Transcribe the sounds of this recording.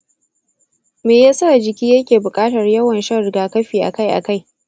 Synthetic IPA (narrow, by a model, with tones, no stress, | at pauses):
meː˨jaː˦sa˦˨d͡ʒɪ˨kʲiː˦jɐ˦kʲeː˨bʊ˨kʼaː˦tɐ˨rjɐ˦wɐ˨nʃɐ˦rɡaː˨kɐ˦ɸiː˨ʔa̰˨ka˦jʔa̰˨ka˦j